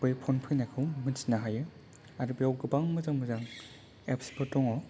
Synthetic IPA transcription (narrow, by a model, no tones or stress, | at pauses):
bɯjpʰɔnpʰɯjnakʰɯwmɯnsnaɦajɯ | aɾɯbijawɡɯbaŋmɯzaŋmɯzaŋ | epspɯtɔŋɔ